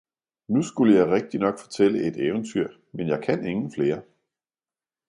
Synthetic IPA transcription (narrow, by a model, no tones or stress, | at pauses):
nusɡ̥uləjɑ̈ɪʁɛɡ̥̚d̥inɒ̽ɡ̥fɒt͡sʰel̰əʔe̝d̥eʊnt͡sʰyɐ̰ | menjɑ̈ɪkʰæne̝ŋn̩fle̝ːɐ